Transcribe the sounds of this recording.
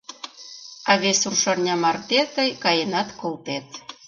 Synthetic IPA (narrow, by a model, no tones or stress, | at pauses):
ɑβesurʃɑrnʲɑmɑrt̪et̪əjkɑjenɑt̪kolˠt̪et̪